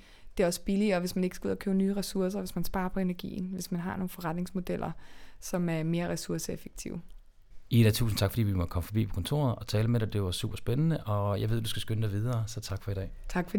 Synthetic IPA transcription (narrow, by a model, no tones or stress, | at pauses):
d̥e̝æɒ̽sə̥b̥iliɒ̽ʋe̝smæne̝ɡ̥sɡ̥uð̰ˠɐkʰøʊnyːʁɛsuɐs̬ɐʋe̝smænsb̥ɑ̈ːɐpʰɒ̽e̝næɐɡ̥ḭːn̩ʋe̝smænɦɑ̈no̝ːn̩fɒʁad̥ne̝ŋsmo̝d̥el̰ɐsɒ̽mæɐme̝ːɐʁɛsuɐsəefe̥ɡ̥̚t͡sʰḭʊ | id̥ɛt͡sʰṵːsn̩t͡sʰɑ̈ɡ̥fd̥ḭːʋimɒd̥əkʰɒ̽məfɒ̽b̥ḭːpʰɔ̥̽kʰɒ̽nt͡sʰo̝̰ːɐð̩ˠɒ̽t͡sʰɛːləmeɾad̥e̝ʋɑ̈sṵːb̥ɐsb̥enənəʔɒ̽jɑ̈ɪʋedusɡ̥æsɡ̥ønəd̥ɑɪʋið̞ˠɐːsɒ̽t͡sʰɑ̈ɡ̥fɒ̽id̥ɛ̰ːt͡sʰɑ̈ɡ̥fɒ